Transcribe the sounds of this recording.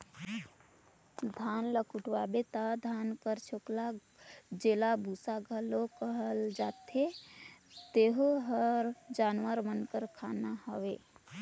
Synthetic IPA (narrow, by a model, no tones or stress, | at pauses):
d̪ʱanləkuʈʰwabet̪əd̪ʱankəɾt͡ʃʰokla | d͡ʒelabʱusaɡʱəlokəɦəld͡ʒat̪e | t̪eɦoɦəɾd͡ʒanwəɾmənkəɾkʰanahəwe